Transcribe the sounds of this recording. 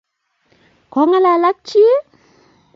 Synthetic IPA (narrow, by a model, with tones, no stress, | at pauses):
kɔ˨˦ŋa˦la˨la˦k̚t͡ʃi˦